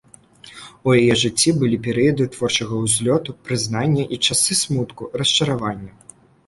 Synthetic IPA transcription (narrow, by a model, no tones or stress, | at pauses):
ujajɛʐɨt͡sʲːibɨlʲipʲɛɾɨjɐd̪ɨt̪vɔrt͡ʂɐɣɐwzʲlʲɔt̪upɾɨznanʲːɐʔit͡ʂasɨsmut̪kurɐst͡ʂɐɾavanʲːɐ